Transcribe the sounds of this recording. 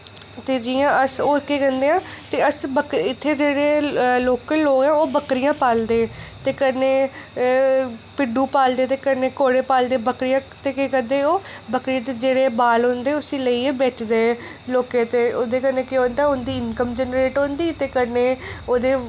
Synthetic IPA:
t̪eːd͡ʒiːãːəsoːɪkːeːkənd̪eːãːt̪eːəsbəkɪt̪ʰːeːd͡ʒeːɽeːloːkəlːoːɡɛ̃ːoːbəkɾɪjãːpaːld̪eːt̪eːkəɾneː | pɪɖuːpaːld̪eːt̪eːkəɾneːkoːɽeːpaːld̪eːbəkɾɪjãːt̪eːkeːkəɾd̪eːoːbəkɾijãːt̪eːd͡ʒeːɽeːbaːlɦõːnd̪eːʊsiːləiːbɛːt͡ʃd̪eː | loːket̪eːoːd̪eːkəɾneːkɪɦõːnd̪aːʊnd̪iːɪnkəmd͡ʒɛːnɾeːʈɦõːnd̪iːt̪eːkəɾneːoːd̪eː

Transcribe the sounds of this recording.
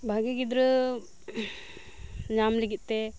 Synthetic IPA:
bʱaɡeɡid̪ɾə | ɲamliɡit̪̚ˀt̪ɛ

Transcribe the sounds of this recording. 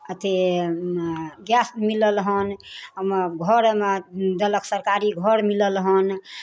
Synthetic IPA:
ət̪ʰe | ɡjasmiləlɦənəmɡʱəɾmed̪ələksəɾkaɾiɡʱəɾmiləlɦən

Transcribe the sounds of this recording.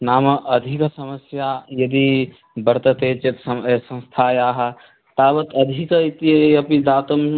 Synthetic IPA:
namʔəd̪ʱiksəməsjajəd̪i | bəɾt̪ət̪et͡ʃet̪ssə̃w̃st̪ʰajaɦə | t̪abət̪əd̪ʱikit̪iəpid̪at̪əm

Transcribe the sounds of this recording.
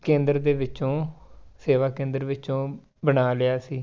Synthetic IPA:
kẽːnd̪əɾd̪eːʋɪt͡ʃõːseːʋaːkẽːnd̪əɾʋɪt͡ʃõː | bənaːlɪaːsiː

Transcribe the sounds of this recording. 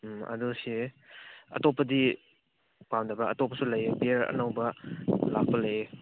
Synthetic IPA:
mɐ̰dusi | ɐ̰topːɐdi | pamdɐbɾɐɐtopːɐsulɐjebiɾɐ̰nawbɐlak̚pɐlɐje

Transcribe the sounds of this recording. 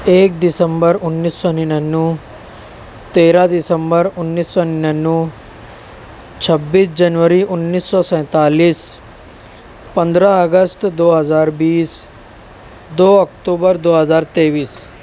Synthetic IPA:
eːk̚d̪ɪsəmbəɾʊnːiːsːɔnɪnənːũ | t̪eːɾad̪ɪsəmbəɾʊnːiːsːɔnɪnənːũ | t͡ʃʰɐbːiːsd͡ʒɐnʋəɾiʔʊnːiːsːɔsɛ̃ːt̪aːliːs | pɐ̃nd̪ɾaəɡəst̪d̪oːɦəzaːɾbiːs | d̪oːɔk̚ʈoːbəɾd̪oːɦəzaːɾt̪eːʋiːs

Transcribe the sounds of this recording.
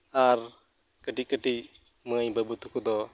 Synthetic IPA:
aɾ | kəʈic̚kəʈic | məjbəbut̪ukʰud̪ɔ

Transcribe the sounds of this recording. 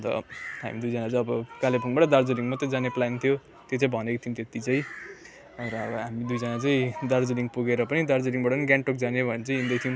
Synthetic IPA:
t̪ʌ̰ɦa̰mid̪ujd͡zʌnat͡saj̃ʌbʌkalepuŋbaʈʌd̪ard͡zeɾiŋmʌt̪ːʌd͡zaneplant̪ʰijo | t̪jet͡saĩbʱʌnekot̪ʰijũmt̪et̪it͡saĩ | ɾʌʌbʌɦamid̪ujd͡zʌnat͡saĩd̪ard͡zeniŋɡpuɡeɾʌpʌnid̪ard͡zeɾiŋbaʈʌniɡaɳʈok̚d͡zanebʱʌnet͡saĩjɦĩnd̪ʌjt̪ʰijum

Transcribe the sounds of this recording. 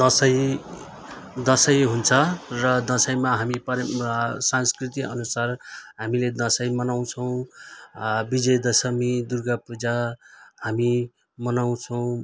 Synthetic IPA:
d̪ʌsʌj | d̪ʌsʌjɦunt͡sʰʌrʌd̪ʌsʌjmaɦamipʌsanskrit̪iʌ̰nusarɦamiled̪ʌsʌjmʌnaw̃t͡sʰʌw̃ | bid͡zʌjd̪ʌsʌmid̪urɡapud͡zahami | mʌnaw̃t͡sʰʌw̃

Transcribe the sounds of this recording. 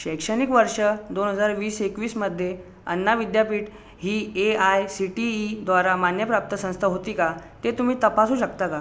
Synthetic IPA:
ɕəjkʂənikʋəɾʂəd̪onɦəd͡zaɾʋiːsekʋiːsməd̪ʱːje | ə̰nːaʋid̪japiːʈ | ɦiːeajsiʈiːd̪ʋaɾamanjəpɾap̚t̪əsə̃st̪ʰaɦot̪iːkat̪et̪um̤iːt̪əpasuːɕəkt̪aka

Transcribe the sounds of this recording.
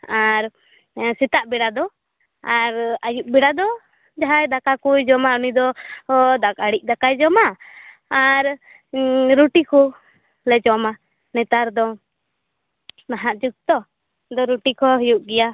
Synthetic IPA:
aɾ | sit̪aʔbɛɽad̪ɔ | aɾajuʔ̚biɽad̪ɔ | d͡ʒaɦajd̪akakujd͡ʒɔmaunid̪ɔd̪akaɽic̚d̪akajd͡ʒɔmaː | ɾ | ɾuʈikɔ | lɛd͡ʒɔma | nɛt̪aɾd̪ɔ | naɦaʔd͡ʒuk̚t̪ɔ | d̪ɔɾuʈikɔɦijuʔɡɛja

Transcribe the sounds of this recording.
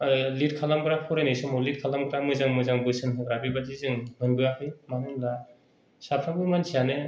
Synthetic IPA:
lid̚kʰalamɡɯɾapʰɔɾajnejsɯmɔlit̚kʰalamɡɯɾamɯzaŋmɯjzaŋbɯsɯnɦɯɡɾabibad͡ʒizɯŋmɯnbɯahʰɯjmanɯmla | sapʰabɯmansʰijane

